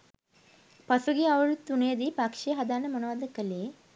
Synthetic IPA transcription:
pasuɡiaʋəɭut̪ːuneːd̪iːpakʂejəɦad̪anːəmonoʋad̪əkəleː

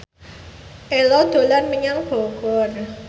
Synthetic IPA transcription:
ʔelɔd̪̥o̤lanməɲaŋb̥o̤ɡ̥ɔr

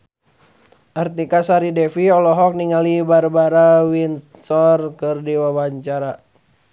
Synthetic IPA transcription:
ʔart̪ikasaɾidɛfiɔlɔɦɔk̚niŋalibarbaɾawinsɔrkɨrdiwabaɲt͡ʃaɾa

